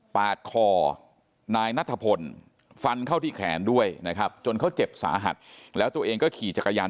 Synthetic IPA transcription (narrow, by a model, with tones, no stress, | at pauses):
paː˨˩t̪̚kʰɔː˧ | naː˧jna˦˥t̪ʰːa˧pʰo˧n | fa˧nkʰa˥˩wt̪ʰiː˥˩kʰɛː˩˦ndu˥˩əjna˦˥kʰɾa˦˥p̚t͡ɕo˧nkʰa˦˥wt͡ɕe˨˩p̚sa̰ː˩˦˥ɦa̰˨˩t̪̚lɛː˦˥wt̪u˧ɐʔeː˧ŋkɔː˥˩kʰiː˨˩t͡ɕa˨˩kːa˧jaː˧n